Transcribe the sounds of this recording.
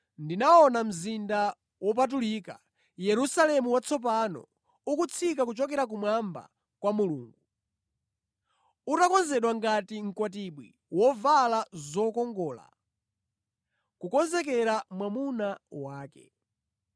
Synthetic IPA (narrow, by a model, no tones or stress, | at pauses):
ndinaɔnam̩zinda | wɔp̬at̬ulika̰ | jɛɾusalɛmuwat͡sʰɔp̬anɔ̰ | ukut͡sʰikakut͡ʃɔkɛɾak̬umwamba̰ | kwamulṵːŋɡu | utakɔnzɛɗwaŋɡatiŋ̩kwat̬iɓwi | wɔvalazɔkɔŋɡɔːla̰ | kukɔnzɛk̬ɛɾamwamunawaːkɛ̰